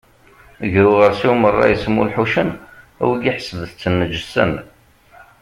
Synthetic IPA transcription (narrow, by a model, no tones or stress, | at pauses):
əʝɾuʁəɾsiwmərˤːɑ̰jəsmːṵlħuʃən | æ̰wiɡiħəsəvəθt͡sːənːəd͡ʒəsə̰n